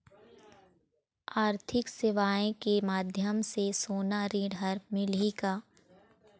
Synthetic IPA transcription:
aːɾt̪ʰɪksɪʋaːẽkemaːd̪ʱjəmsesoːnaɾiːɖɦɐɾmɪliɡaː

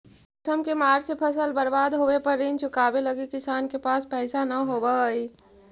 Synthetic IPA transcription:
ʊsəmkemaːɾsepʰəsəlbəɾbaːd̪ɦoːʋepəɾint͡ʃʰʊkaːbeləɡikɪsaːnkepaːspɛːɪsanəɦobəi

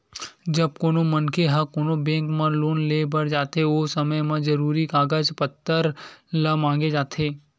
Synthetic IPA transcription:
d͡ʒəb̚koːnomənkʰeɦakoːnobẽŋkmãloːnlebəɽd͡ʒaːt̪ʰeosəməjmãd͡ʒəɾuːɾikaːɡəd͡ʒpət̪ːəɾləmãːŋɡed͡ʒaːt̪ʰe

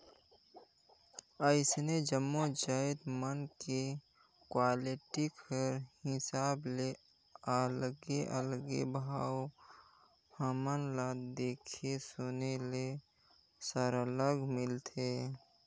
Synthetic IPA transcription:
əɪsned͡ʒəmːod͡ʒaːɪd̪mənke | kwaːlɪʈikʰəɾhɪsaːble | əlɡeʔəlɡḛbʱaːw | həmənlaːd̪eːkʰesonele | səɾələɡmɪlt̪ʰe

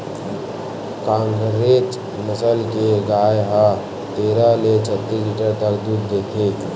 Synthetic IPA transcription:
kãŋɡɾet͡ʃ | nəsəlkeɡajɦə | t̪eɾalet͡ʃʰət̪ːisliʈəɾt̪əkd̪uɾd̪ekʰe

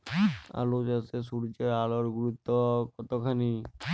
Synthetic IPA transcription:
a̰lod͡ʒasesuɽt͡ʃealɔɾɡuɾut̪ːɔkɔt̪ɔkʰani

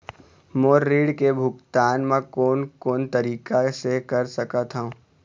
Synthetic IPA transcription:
moːɾːiːɽkebʱʊkt̪aːnmãkoːnkoːnt̪ɐɾiːkasekɐɾsɐkat̪ʰaũ

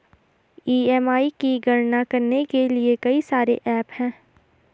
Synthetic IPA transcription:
iːɛːmaːikiɡɐɽnakɐɾnekeliekɐisaːɾḛʔɛːphɛ̃ː

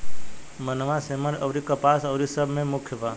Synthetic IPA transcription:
mənʋãseməɾɐʋɾikəpaːsɐʋɾisəbʱmẽmʊkʰjəpaː

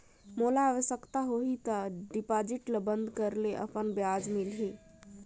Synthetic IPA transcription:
molaːʋəʃəkt̪aɦoɦit̪əɖipad͡ʒiʈləbənd̪ʱkəɾleʔə̰pənbjad͡ʒmilɦi

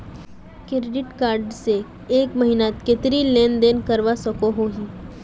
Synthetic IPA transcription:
kɪɾeɖɪʈkaːɾɖse | eːkməɦinat̪ket̪ɾileːnd̪eːnkɐɾʋasɐkoɦoɦiː

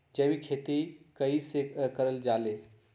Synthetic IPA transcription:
d͡ʒəbikʰeːt̪ikəisekəɾəld͡ʒaːle

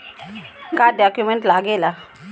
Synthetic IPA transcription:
kaɖjakjumeɳʈlaɡela

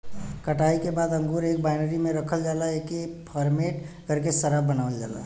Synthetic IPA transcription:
kəʈaːikebaːd̪ə̃ŋɡuːɾeːk̚baɪnəɾimẽɾəkʰəld͡ʒaːlaekepʰəɾmeʈkəɾkesəɾabənaːʋəld͡ʒa̰ːla̰

